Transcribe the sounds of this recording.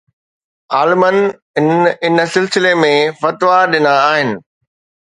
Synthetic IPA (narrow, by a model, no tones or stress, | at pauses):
aːlɪmən | ɪnɪnsɪlsɪlemẽfɐt̪ʋaɗɪnaːɦɪnɪ̆